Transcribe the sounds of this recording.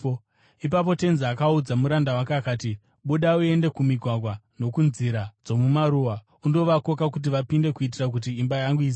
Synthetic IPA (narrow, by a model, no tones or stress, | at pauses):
ipap̬o̞te̞nziakaud͡zamuɾandawakakaːti | ɓuɗaue̞nde̞kumiɡʱwaɡwa | no̞kunziɾad͡zo̞mumaɾuwa | undo̞ʋako̞kak̬ut̬iʋapinde̞kuit̬irak̬ut̬iːmbajaŋɡui